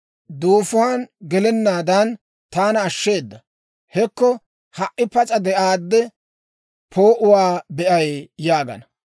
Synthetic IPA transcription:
d̪uːfʊwaːnɡɛlɛnːaːd̪ɐn | t̪aːnɐːʃːe̞ːd̪ːɐ | hɛkːɔ | hɐʔʔɪpɐt͡sʼɐd̪ɛʔaːd̪ːɛ | pʰoːʔʊwaːbɛʔɐjjaːɡɐ̰nɐ

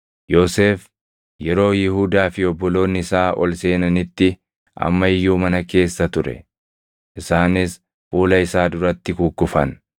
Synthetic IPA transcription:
joːse̞ːf | jɛɾo̞ːjɪhud̪aːfɪɔbːɔlo̞ːnːɪɪsaːʔɔ̰lse̞ːnɐnɪt̪ːɪ | ʔɐ̰mːɐɪjːuːmɐnɐke̞ːsːɐt̪ʊɾɛ̰ | ʔɪsaːnɪs | fuːlɐɪsaːd̪ʊɾɐt̪ːɪkukːʊfɐn

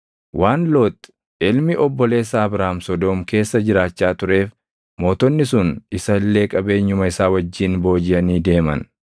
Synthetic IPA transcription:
wʔaːnlo̞ːt̪ː | ɪlmɪʔɔbːɔle̞ːsaːɐbɾaːmsɔd̪oːmke̞ːsːɐd͡ʒɪɾaːt͡ʃːaːt̪ʊɾe̞ːf | mo̞ːt̪ɔnːɪsʊnɪsɐlːe̞ːkʼɐbe̞ːɲːʊmɐɪsaːwɐd͡ʒːiːnbo̞ːd͡ʒɪjɐniːd̪e̞ːmɐ̰n

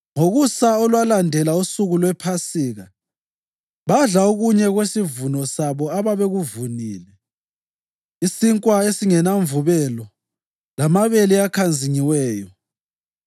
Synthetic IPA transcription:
ŋoɣusaɔlwalandʱɛlausuɣulwɛpʰasiːɣa | βaɮaoɣuɲɛɣwesivunɔsaβɔaβaβeɣuvuniːlɛ | isiŋkʼwaesiŋɛnaɱvuβɛlɔ | lamaβeliakʰand͡zʱiɲiwɛːjɔ

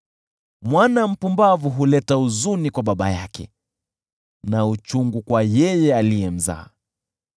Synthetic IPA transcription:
mwanam̩pumbavuɦulɛtauzunikwaɓaɓa̰jakɛ̰ | naut͡ʃuŋɡukwajɛjɛalijɛm̩za̰ː

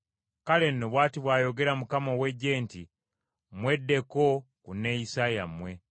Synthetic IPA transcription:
kale̞nːo̞βwaːtiβwaːjo̞ɡe̞ɾamukamowe̞ɟːe̞ːnti | mwe̞dːe̞kokunːejisajamwe̞

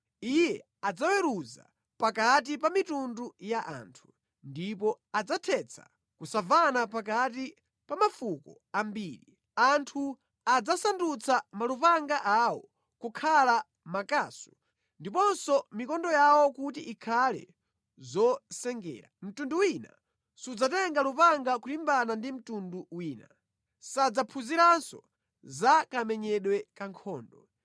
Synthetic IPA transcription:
ijɛ | ad͡zawɛɾuza̰ | pakat̬ipamitundujaʔa̰ːntʰu̥ | ndipɔ | ad͡zatʰɛt͡sʰa̰ | kusavanapak̬ati | pamafukɔ | ambiːɾi | antʰu | ad͡zasandut͡sʰamalupaŋɡaʔawɔ̰ | kukʰala | makaːsu̥ | ndipɔnsɔmikɔndɔjawɔkut̬iʔikʰalɛ̰ | zɔsɛŋɡɛ̰ːɾa̰m̩tunduwina̰ | sud͡zatɛŋɡalupaŋɡakulimbanandim̩tunduwiːna̰ | sad͡zapʰuziɾansɔ | zakamɛɲɛɗwɛkaŋkʰɔːndɔ

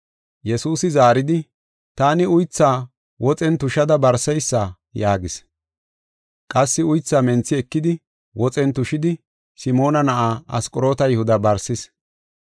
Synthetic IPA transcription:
jɛsuːsɪzaːɾɪd̪ɪ | t̪aːnɪʊjt͡sːaː | wʔɔt͡sʼɛnt̪ʊʃɐd̪ɐbɐɾsɛjsːa | jaːɡɪs | kʼɐsːɪʊjt͡sːaːmɛnt͡sːɪɛkːɪd̪ɪ | wʔɔt͡sʼɛnt̪ʊʃɪd̪ɪ | sɪmo̞ːnɐnɐʔaːɐskʼɔɾo̞ːt̪ɐjʊhʊd̪ɐbɐɾsɪs

